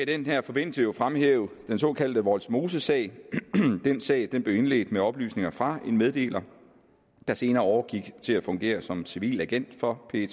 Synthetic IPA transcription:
id̥enɦæɐ̰fɒ̽be̝n̰səjo̝fʁamhḛːʊd̥enso̝̰ːkʰæl̰d̥əʋɒlsmo̝ːsəsɛ̰ɪ̰d̥ensɛ̰ɪd̥enb̥le̝ʊe̝nle̝̰ːd̥meɒ̽b̥ly̰ːsne̝ŋɐfʁɑ̈e̝nmeð̞ˠd̥e̝̰ːlʔɐ | d̥ɑ̈se̝ːnɐːɒʊɐɡ̥iɡ̥t͡sʰe̝læfɔ̽ŋɡ̥e̝̰ːɐsɒ̽msiʋḭːlæɡ̥en̰d̥fɒ̽pʰe̝t͡sʰ

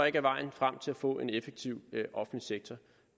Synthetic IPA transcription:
e̝ɡ̥æʋɑ̈ɪ̰n̩fʁam̰t͡sʰe̝læfɔ̰̽ːe̝nefeɡ̥̚t͡sʰiʊ̰ʔɒ̽fn̩liseɡ̥̚t͡sʰɐ

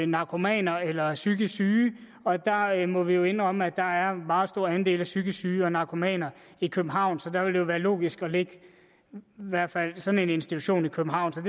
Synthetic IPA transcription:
nɑ̈kʰo̝mɛ̰ːnɐelɐsyɡ̥əsyː | ɒ̽d̥ɑ̈mɒ̽ʋijo̝e̝n̥ʁɒ̽m̰æd̥ɑ̈æɐmɑ̈ːð̩ˠsd̥o̝ɐænd̥e̝̰ːlæsyɡ̥əsyːɒ̽nɑ̈ʊkʰo̝mɛ̰ːnɐ | ikʰøb̥̩ɦɑ̈ʊ̰nsɒ̽d̥ɑ̈ʋe̝ld̥ejoʋæːɐlo̝̰ːɡ̥isɡ̥ɒ̽le̝ɡ̥ | ʋæɐ̰fæl̰sɒ̽ne̝ne̝nsd̥it͡sʰuɕo̝̰ːnikʰøb̥m̩ɦɑ̈ʊ̰nsɒ̽d̥e

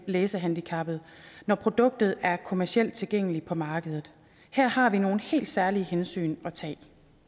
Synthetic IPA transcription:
leːsəɦænd̥ikʰɑ̈b̥ð̩ˠnɒpʰʁo̝d̥ɔ̽ɡ̥̚d̥ð̩ˠæɐkʰo̝mæɐsiel̰d̥̚t͡sʰe̝lɡ̥eŋ̰əlipʰɒ̽mɑ̈ːɡ̥əðˠð̩ˠ | heɐ̰hɑ̈ʋino̝ːn̩he̝̰ːld̥sæɐlihensy̰ːnɒ̽t͡sʰɛ̰ː

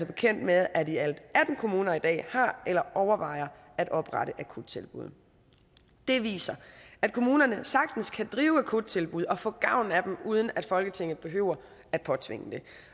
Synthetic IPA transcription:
ɐb̥e̝kʰen̰d̥með̞ˠæd̥iæld̥æd̥n̩kʰo̝muːnɐid̥ɛ̰ːhɑ̈ʔelɐʔɒʊɐʋɑ̈ɪ̰ɐ | æd̥ɒ̽b̥ʁɑ̰ɾ̥əʔækʰud̥̚t͡sʰe̝lb̥uðˠ | d̥e̝ʋḭːsɐæd̥̚kʰo̝muːnɐnəsɑ̈ɡ̥̚d̥n̩skʰæd̥ʁiːʊækʰud̥̚t͡sʰe̝lb̥uð̞ˠɒ̽fɔ̰̽ːɡ̥ɑ̈ʊ̰næd̥em̩uð̞ˠən̩æd̥fɒ̽lɡ̥ət͡sʰe̝ŋ̰ð̩ˠb̥e̝ɦø̰ʊ̰ɐ | æd̥̚pʰɒ̽t͡sʰʋe̝ŋəd̥e̝

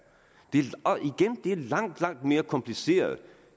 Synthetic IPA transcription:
d̥e̝æiɡ̥end̥e̝æɐlɑ̈ŋ̰d̥lɑ̈ŋ̰d̥me̝ːɐkʰɒ̽mpʰlise̝̰ːɐð̩ˠ

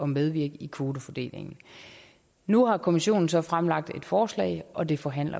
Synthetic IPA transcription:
ɒ̽meðˠʋiɐ̰ɡ̥ikʰʋo̝ːdəfɒd̥e̝̰ːle̝ŋn̩ | nuhɑ̈kʰo̝miɕo̝̰ːn̩sɒ̽fʁamlɑ̈ɡ̥̚d̥e̝d̥fɒːslɛ̰ɪʔɒ̽d̥e̝fɒ̽ɦæn̰lɐ̰

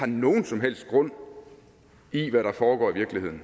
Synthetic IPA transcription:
ɑ̈no̝ːn̩sɒ̽mɦel̰sd̥ɡ̥ʁɔ̽n̰ | iʋæɾɑ̈fɒːɡ̥ɒ̰ːiʋiɐɡ̥lihe̝ð̰ˠn̩

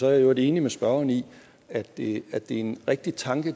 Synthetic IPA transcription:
sɒ̽æɐjjoæde̝e̝ːnimesb̥ɶɐɐni | æd̥æd̥e̝e̝nʁɛɡ̥̚d̥it͡sʰɑ̈ŋɡ̥ə

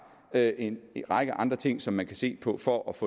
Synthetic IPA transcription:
øʔe̝nʁɑ̈ɡ̥əʔɑ̈nd̥ʁɐt͡sʰe̝ŋ̰sɒ̽mːænkʰæse̝̰ːpʰɒ̽fɒʔæfɔ̰

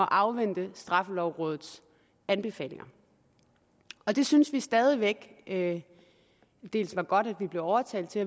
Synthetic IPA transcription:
ɒ̽ʔɑ̈ʊʋen̰d̥əsd̥ʁɑ̈fəlɒʊʁɔ̽ːð̞ˠð̩ˠs | ænb̥e̝fɛ̰ːle̝ŋɐ | ɒ̽d̥e̝synsʋisd̥ɛːð̞ˠiʋeɡ̥ | d̥e̝̰ːlsʋɑ̈ɡ̥ɒ̽d̥æd̥ʋib̥le̝ʊɒʊɐt͡sʰɛ̰ːld̥̚t͡sʰe̝æ

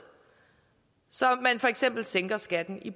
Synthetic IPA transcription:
sɒ̽mːænfɒ̽eɡ̥sem̰b̥l̩seŋɡ̥ɐsɡ̥æd̥n̩ib̥

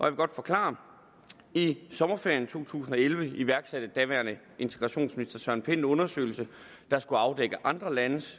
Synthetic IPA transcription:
ʔɒjaʋe̝ɡɒ̽d̥fɒ̽kʰlɑ̰̈ː | isɒ̽mɐfeɐjn̩t͡sʰo̝̰ːt͡sʰṵːsn̩ɒ̽elʋəiʋæɐɡ̥sæd̥əd̥æʋæɐnə | e̝nt͡sʰe̥ɡ̥ʁɑɕo̝̰ːnsminisd̥ɐsɶɐ̰npʰenɔ̽nɐsø̰ɪlsə | d̥ɑ̈sɡ̥uɑ̈ʊd̥eɡ̥əʔɑ̈nd̥ʁɐlænəs

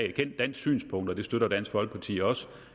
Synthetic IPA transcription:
kʰen̰d̥ːæn̰d̥sy̰ːnspʰɔ̽ŋ̰d̥ɐd̥e̝sd̥øɾ̥ɐd̥æn̰sɡ̥ʋɒ̽l̰ɡ̥̚pʰɑ̈t͡sʰḭːɒ̽sə

